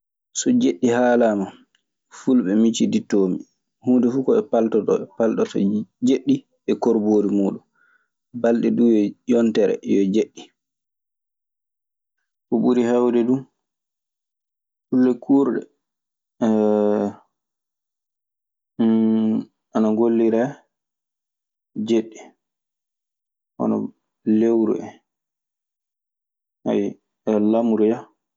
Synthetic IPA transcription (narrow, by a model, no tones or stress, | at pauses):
sɔd͡ʒeɗːihaːlama | fulɓɛmit͡ʃiditːomi | huːndɛfuːkɔɛpaltɔtɔɛpaltɔtɔ̰d͡ʒeɗːi | ɛkoɾboɾimuːɗun | balɗɛdujɛjɔntɛɾɛ̰jɔd͡ʒeɗːi | kɔɓuɾihawdɛdun | kulːɛkʰuːɾɗɛ̰ | ʔanaŋɡolːiɾɛ | d͡ʒeɗːi | ʔɔ̰nɔ̰ | lewɾṵɛ | ha̰j | ɛlamuɾuja